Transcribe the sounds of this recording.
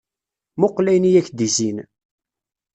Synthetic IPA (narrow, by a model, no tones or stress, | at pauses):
moqːlæjnijæçd̪izin